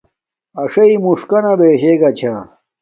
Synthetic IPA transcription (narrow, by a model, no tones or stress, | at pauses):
ɐʂɐimuʂkɐnɐbeːɕeɡɐt͡ɕʰa